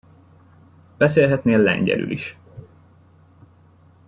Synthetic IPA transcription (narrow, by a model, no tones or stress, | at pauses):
b̥ɛseːlɦɛt̪neːlːɛ̰ɲɟɛ̰ly̰lʔiʃ